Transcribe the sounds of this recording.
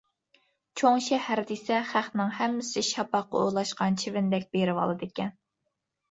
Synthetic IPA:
t͡ʃʰoŋʃɛhæɾd̪isɛχæχnɪŋhɛmːɪsɪʃɑpɑqːɑ̰ojlˠɑʃqɑnt͡ʃʰivɪnd̪ɛk̚ʲbeɾɪwɑ̰lˠɨd̪ɪkʲɛn

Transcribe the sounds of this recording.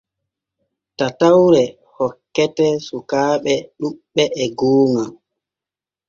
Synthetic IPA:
tatawɾɛ | hɔkːɛtɛsukaːɓɛɗuɓɓːɛʔɛɡoːŋam

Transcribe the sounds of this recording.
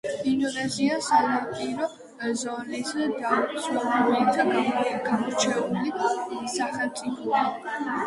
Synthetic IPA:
inɔvaziasaɾapʼiɾɔ | zɔnɛszd̪auɾsɔnat̪aɡamɔɡamɔɾt͡ʃʰɛulisaχɛlmt̪sʼipʰɔi

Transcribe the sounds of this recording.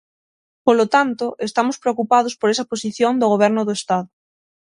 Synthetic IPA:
polot̪ant̪oʔest̪amospɾeokupaðospoɾesɐposiθjond̪oɣ̞oβ̞ɛɾnoðoest̪aðʊ

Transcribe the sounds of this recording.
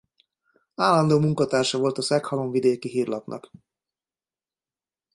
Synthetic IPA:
aːlːɒnd̪oːmuŋkɒt̪aːrʃɒvolt̪ɒsɛkhɒloɱvid̪eːkiɦiːrlɒpnʔɒ̰k

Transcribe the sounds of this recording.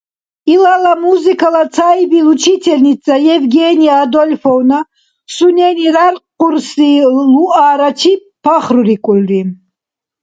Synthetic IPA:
ilalamuzikʰalasʰajbilut͡ʃʰit̪ʰɛlnit͡sʼajɛvɡɛnijaːd̪ɔlʲfɔwna | sunɛniɾarqquɾsiluʔaːɾat͡ʃʰi | pʰaχɾuɾikʼulri

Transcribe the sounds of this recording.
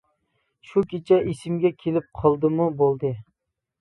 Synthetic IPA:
ʃukʲet͡ʃʰɛisɪmɡʲɛkʲʰelɪp̚qʰɑlˠd̪ɨmubolˠd̪ɨ

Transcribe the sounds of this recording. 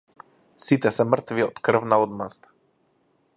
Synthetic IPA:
sit̪ɛsɛmr̩t̪viɔt̪kr̩vnaɔd̪mast̪a

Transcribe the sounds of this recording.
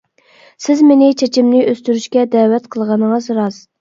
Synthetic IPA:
sɪzmenɪt͡ʃʰet͡ʃʰimnɪʔøst̪yɾyʃkʲɛd̪ɛːwɛt̪qʰəlˠʁɑnəŋɑzɾɑz

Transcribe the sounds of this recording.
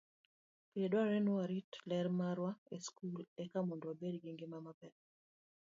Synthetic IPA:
piedwaɾɛnowaɾitlɛɾmaɾwaeskulɛkamondoabedɡiŋɡɪmamapɛt

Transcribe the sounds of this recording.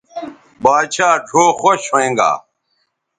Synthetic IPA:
baːɕaːɖʱoːxoɕɦoẽːŋɡa̰ː

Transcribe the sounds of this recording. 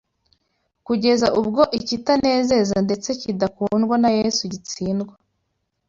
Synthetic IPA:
kuɟe̞zaʔub̚ɡo̞ʔicitane̞ːze̞zande̞t͡se̞cidakuːnɡwanajesuɟit͡siːnɡwa

